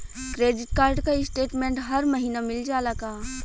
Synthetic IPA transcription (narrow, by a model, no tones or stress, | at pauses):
kɾeːɖɪʈkaːɾɖkaɪsʈeːʈmẽːɳʈɦɐɾmɐɦiːnamɪld͡ʒaːlɐɡaː